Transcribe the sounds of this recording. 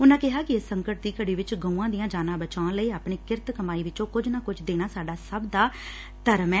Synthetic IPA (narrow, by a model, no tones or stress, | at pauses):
ʊnãːkɪɦaːkɪɪsːəŋkəʈ̚d̪iːkəɽiːʋɪt͡ʃɡə̃ũːãːd̪ɪjãːd͡ʒaːnãːbət͡ʃãːnləiːaːpɳeːkɪɾt̪kəmaːiːʋɪt͡ʃõːkʊd͡ʒnãːkʊd͡ʒd̪eːɽ̃aːsaːɖaːsəbd̪aː | t̪əɾəmɛ̃